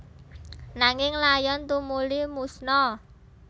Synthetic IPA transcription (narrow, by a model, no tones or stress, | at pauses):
naŋɪŋlajɔnt̪umulimusnɔ